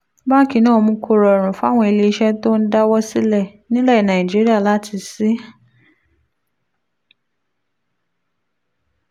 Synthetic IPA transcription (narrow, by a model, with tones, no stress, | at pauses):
ba˦˨ki˨nɔ̃ː˦˨mũ˧˦kʰo˨ɾɔ˨ɾ̃ũ˨fa˦˨wɔ̃˦e˨le˨˦ʃɛ˦to˦n̩˦da˦wɔ˦si˦lɛ˦˨nĩ˦lɛ˦˨nã˨i˨d͡ʒi˦ɾi˦a˦˨la˦tʰi˧si˦